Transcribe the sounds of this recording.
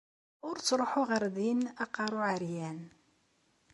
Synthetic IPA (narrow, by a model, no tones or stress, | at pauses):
ʊɾt͡sːɾˤoħʊʁəɾðinɑqːɑɾˤʊʕəɾjæn